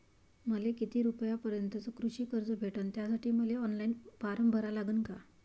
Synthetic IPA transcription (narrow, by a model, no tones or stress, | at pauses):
məlekit̪iːɾupəjapəɾjənt̪əd͡zokɾuɕiːkəɾd͡zəbʱeʈənt̪jasaʈiːməleɔnlainbaɾəmbʱəɾalaɡuːnka